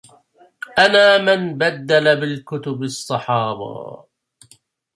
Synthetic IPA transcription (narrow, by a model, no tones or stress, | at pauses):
ʔanaːmɪnbad̪ːalabɪlkʊt̪ʊbsˤːɑħɑːba̰ː